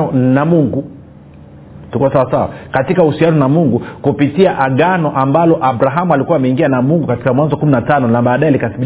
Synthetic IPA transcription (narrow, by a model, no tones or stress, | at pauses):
ɔnamuŋɡu | tukuwasawasawa̰katikauhusianɔnamuŋɡukupitiaʔaɠanɔʔambalɔʔaɓɾaɦamualikuwaːmɛiŋɡianamuŋɡukati̥kamwanzɔkuminatanɔnaɓaːɗaɛalikaθiɓi